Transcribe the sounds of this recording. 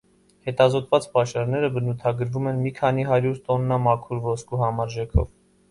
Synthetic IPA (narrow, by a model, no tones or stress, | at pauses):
hɛt̪ɑzɔt̪vɑt͡spɑʃɑɾnɛɾəbənut̪ʰɑɡəɾvumɛnmikʰɑniɦɑɾjuɾt̪ɔnːɑmɑkʰuɾvɔskuɦɑmɑɾʒɛkʰɔ̰v